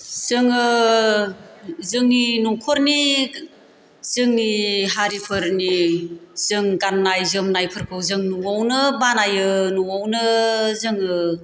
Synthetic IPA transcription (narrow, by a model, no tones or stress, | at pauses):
z̥ɯŋɯ | zɯŋninuŋkʰɔɾni | z̥ɯŋniɦaɾipʰɯɾni | z̥ɯŋɡanːajzɯmnajpʰɯɾkʰɯwzɯŋnuŋawnɯbanajɯnuŋawnɯzɯŋɯ